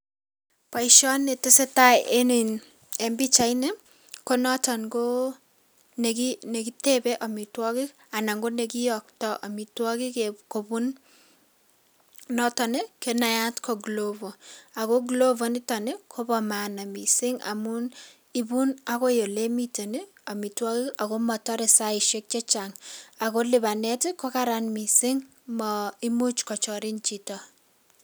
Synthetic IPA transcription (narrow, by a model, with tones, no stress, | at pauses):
pa˨iʃɔ˦ne˨te˦se˦ta˦e˦ni˨n | embi˦t͡ʃa˨˦ine˦ | ko˦nɔ˦tɔ˨nɡo˦ | ne˨kine˨ki˦tebɛ˦ʔa˨mi˨twɔ˦ki˦ | a˨na˨ŋɡo˦ne˨ki˦jɔk̚tɔʔa˨mi˨twɔ˦ki˦keko˨bu˦n | nɔ˦tɔ˨ne˦ke˦na˨ja˦tkʰo˨ɡlovo˨a˨ko˦ɡlo˦vo˨nɪ˦tɔ˨ne˦kʰo˦bɔ˨ma˨na˨mi˨sɪ˦ŋa̰˨mu˦n | i˦bu˦na˦ko˦jo˨le˦mite˨ne˦ | a˨mi˨twɔ˦ki˦a˨ko˦mɔ˨tɔ˦ɾɪ˨sa˦ɪʃe˦k̚t͡ʃe˦t͡ʃa˨ŋa˨ko˦lɪ˨ba˨nɛ˦tɪkɔ˦ka˦ɾanmi˨sɪ˦ŋ | mɔi˦mu˦t͡ʃkɔ˨t͡ʃɔ˨ɾi˦nt͡ʃi˨tɔ˨